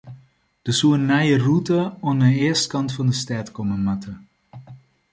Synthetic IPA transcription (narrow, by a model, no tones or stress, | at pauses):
d̥əsuənːajərutəɔnəɪːɹstkɑntfɑndəstɛːtkɔməmɑtə